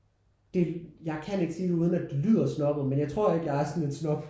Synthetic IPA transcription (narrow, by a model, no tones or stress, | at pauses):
d̥e̝jɑ̈ɪkʰæne̝ɡ̥si̥ːuð̞ˠnæd̥elyð̰ˠɐsnɒ̽b̥ð̩ˠmenjɑ̈ɪt͡sʰʁo̝̰ɐ̰e̝ɡ̥jɑ̈ɪæɐsɒ̽ne̝nsnɒ̽b̥